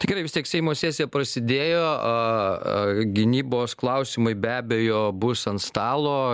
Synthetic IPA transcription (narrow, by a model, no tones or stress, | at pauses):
t̪ɪɡʲɛɪɾɐɪʋʲɪsʲt̪ʲiɛksʲɛɪmoːsʲæːsʲɪjɛpɾɐsʲɪd̪ʲeːjoːɐ | ɡʲɪnʲiːboːsklˠɐʊsʲɪmɐɪbʲæːbʲejoːbʊsɐnt̪st̪ɑːlˠoː